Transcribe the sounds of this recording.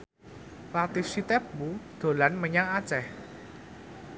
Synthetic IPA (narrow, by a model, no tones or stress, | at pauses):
lat̪isit̪ɛp̚bud̪̥o̤lanməɲaŋat͡ʃɛh